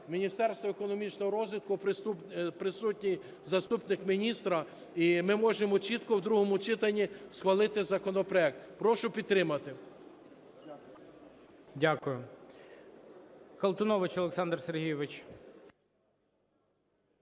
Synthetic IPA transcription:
mʲinʲist̪ɛrst̪ʋɔekɔnɔmʲit͡ʃnɔɦɔɾɔzʋʲit̪̚kʊpɾɪsupɾɪsutʲnʲij | zɐst̪upnɪkmʲinʲist̪ɾɐ | imɪmɔʒemɔt͡ʃit̪kɔwd̪ɾuɦɔmʊt͡ʃɪt̪ɐnʲːisxʋɐlˠɪt̪ɪzɐkɔnɔpɾɔɛk̚t̪pɾɔʃʊpʲid̪t̪ːɾɪmɐt̪ɪ | dʲakʊjʊ | kɐlˠt̪ʊnɔʋɪt͡ʃɔlˠeksɑnd̪rserɦʲijɔʋɪt͡ʃ

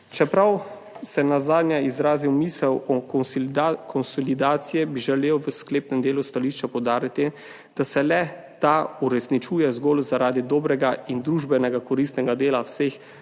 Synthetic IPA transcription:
t͡ʃɛpɾaw | sɛnazaːd̪njaizɾaːziwmiːsɛwɔ | kʰɔnsɔlid̪aːt̪sijɛbiʒɛleːwʋəskleːpnɛmd̪eːlust̪aliːʃt͡ʃapɔwd̪aːɾit̪i | d̪̥asɛlɛt̪auɾɛsnit͡ʃuːjɛzɡoːlzaɾaːd̪id̪oːbɾɛɡaind̪ɾuːʒbɛnɛɡakɔɾist̪nɛɡad̪eːlawsex

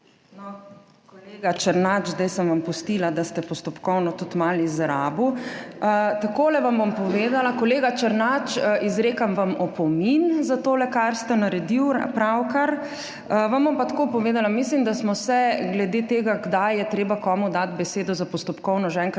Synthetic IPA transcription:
nɔ | kɔleɡat͡ʃəɾnad͡ʒzd̪ɛjsəmʋampust̪ilad̪ast̪ɛpɔst̪ɔpkɔwnɔt̪ut̪malizɾabuət̪akolɛʋambompɔʋeːd̪alakɔleːɡat͡ʃəɾnat͡ʃizɾeːkamʋamɔpɔminzat̪oːlɛkaɾst̪ɛnaɾɛd̪iwpɾawkaɾ | əʋambompat̪ḁkopɔʋeːd̪alamislimd̪asmɔsɛɡlɛd̪et̪eːɡaɡd̪ajjɛt̪ɾeːbakɔːmud̪at̪bɛseːd̪ɔzapɔst̪ɔpkɔwnɔʒeɛ̃ːŋk

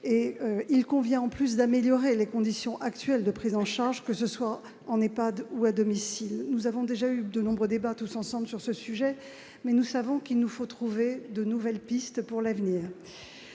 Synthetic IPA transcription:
eøilkɔ̃vjɛ̃ɑ̃plys̬d̪ameljɔʁelekɔ̃d̪isjɔ̃ʔakt̪ɥɛld̪əpχizɑ̃ʃaʁʒkəsəswa | ɑ̃nepad̪uad̪ɔmisilnuzavɔ̃d̪eʒayd̪ənɔ̃bʁəd̪ebat̪usɑ̃sɑ̃blsyʁsəsyʒɛ | mɛnusavɔ̃kilnufot̪χuved̪ənuvɛlpist̪puʁlavniːʁ

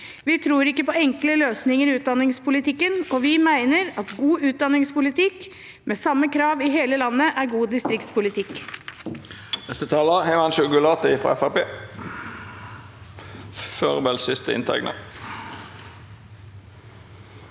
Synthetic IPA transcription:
ʋɪt̪ʰɾuːɾɪkːəpɔɛŋkləløːsnɪŋəɾɪʉːt̪̚d̪ɑnːɪŋspʰʊlɪt̪ɪkːənɔʋɪmæɪnəɾɑt̪ɡuːʉːt̪̚d̪ɑnɪŋspʊlɪt̪ɪk | meːsɑmːəkʰɾɑːʋɪɦeːləlɑnːəʔæɾɡuːd̪ɪst̪ɾɪkt̪spʊlɪt̪ʰɪkː | nɛst̪ət̪ʰɑːləhɛɪʋɑnʃʊkʉlɑːt̪əɪfʁɑ̰ɛfɑpeː | føːʁbɛlsɪst̪əɪ̰nt̪ʰæ̰ɪɡnə̰

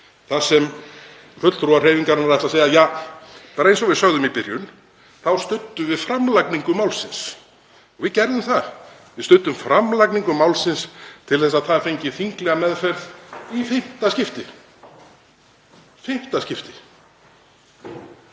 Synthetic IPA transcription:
θasɛm | fʏt̪lt̪ɾuareːjviŋkaɾnaɾɛht̪aseːjajaːpaːɾaejnsɔɣvɪsœɣðʏmipɪɾjʏn | θawst̪ʏt̪ːʏvɪðfɾamlajkniŋkʏmawlsɪns | ɔvɪðcɛɾðʏmθa | vɪðst̪ʏt̪ːʏmfɾʔamlajkniŋkʏmawlsɪnst̪ʰɪlθɛs̬aðtθafejɲcɪθiŋklɛɣamɛðfɛɾðifɪm̥t̪ascɪft̪ɪ | fɪm̥t̪ascɪft̪ɪ̥

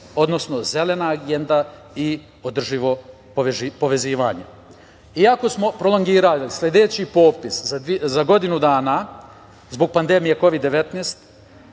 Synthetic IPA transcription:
o̞d̪no̞sno̞ze̞le̞naɡe̞nd̪a | i | od̪r̩ʒiʋo̞ | ʒpo̞ʋe̞ziːʋa̰ːɲe | iako̞smo̞pɾo̞lˠo̞ŋɡiːɾallislʲed̪e̞t͡ɕipo̞ːpiszaizaɡo̞d̪inud̪aːna | zbo̞ɡ̚pand̪e̞mije̞ko̞ʋid̪ːe̞ʋe̞t̪neːst̪

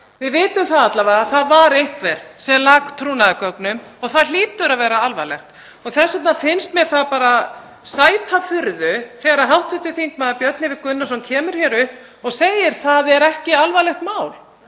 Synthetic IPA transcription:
vɪðvɪːt̪ʏmθaðat̪lavaaθaðvaɾejhkʰvɛɾsɛmlaːkt̪ʰɾuːnaðʏkœknʏmɔɣθaðliːt̪ʏɾaðvɛːɾaalva̰lɛxt̪ | ɔɣθɛsœt̪nafɪnst̪mjɛɾ̥θaðpaːɾa | saːjp̪ʰafʏɾðʏθɛːɣaɾaðɦawht̪ɪht̪ʏθiŋkmɛðapjœt̪nlɪvɪkʏnːasɔmcʰɛːmʏɾ̥çjɛɾʏhp | ɔɣseːjɪɾ̥θaðɛɾɛhcɪalvalɛxt̪maːwl̥

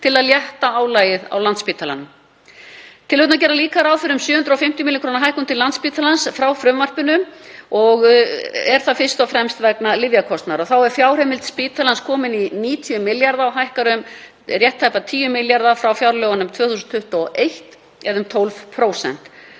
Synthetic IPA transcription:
t̪ʰɪlaðljɛht̪aaːwlaːjɪða̰wlant̪spiːt̪ʰala̰nʏm | t̪ʰɪlhʏt̪nac̬ɛːɾaliːkaɾawfʏɾʏmsjʏːʏnt̪ɾaɔwfɪm̥t̪jʏmilɪŋkʰɾoːnaɦajhkʏmt̪ʰɪlːant̪spiːt̪ʰalansfɾawfɾʏmvar̥pɪnʏmɔɣɛɾ̥θafɪst̪awfɾɛmst̪vɛknalɪvjakʰɔst̪naɾɔθawɛɾ̥fjawr̥ɛmɪlt̪spiːt̪alanskʰɔːmɪniniːt̪ʰiʏmːɪljaɾðawɦajhkaɾʏm | rjɛht̪ʰːajpat̪ʰiːjʏmɪljaɾðafɾawfjawɾlœːɣanʏmt̪ʰvœːθusʏnt̪ʰʏht̪ɔʔejht̪ | ɛðʏmt̪ʰowlvpʰɾoːwsɛ̰n̥t̪

